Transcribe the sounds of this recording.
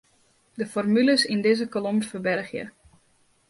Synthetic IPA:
dəfɔrmyləsindɪzəkolomfərbɛrxjə̰

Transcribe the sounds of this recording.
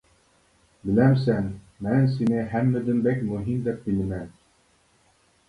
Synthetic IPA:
bɘ̆læms̬æn | mænsinɘɦæmːɘ̆d̪ɘ̆mbækmɵɦimd̪æp̚bilmæn

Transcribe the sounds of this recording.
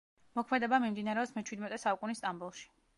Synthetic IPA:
mɔkʰmɛd̪ɛbamimd̪inaɾɛɔsmɛt͡ʃʰwid̪mɛt̪ʼɛsaukʼunist̪ʼambulˠʃi̥

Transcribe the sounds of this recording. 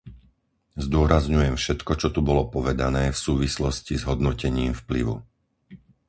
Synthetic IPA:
zd̪ʊɔɾazɲujɛmfʃɛt̪kɔt͡ʃɔt̪ubɔlɔpɔʋɛd̪anɛːfsuːʋislɔscizɦɔd̪nɔcɛɲiːmfpliʋṵ

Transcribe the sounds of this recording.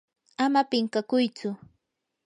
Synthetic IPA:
amapɪŋkakʊjt͡sʊ

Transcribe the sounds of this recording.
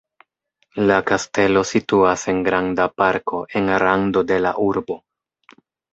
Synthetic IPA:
lakaste̞lo̞situase̞nɡɾandapaɾkʰo̞ʔe̞nɾando̞de̞la̰ʔuɾbo̞

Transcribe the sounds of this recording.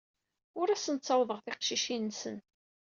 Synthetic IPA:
ʊɾæsənt͡sːɑwðˤəʁθɪqʃiʃinːsən

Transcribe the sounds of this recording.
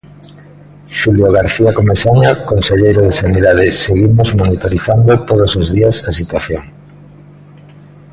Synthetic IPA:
ʃuljoɣ̞aɾθiakomesaɲakonseʎejɾoðesaniðaðɪseɣimozmonit̪oɾiθand̪ot̪oð̞osozðiasasit̪waθjoŋ

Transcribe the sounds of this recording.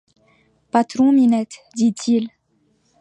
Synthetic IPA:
pat̪ɾɔ̃minɛt̪d̪it̪ʰil

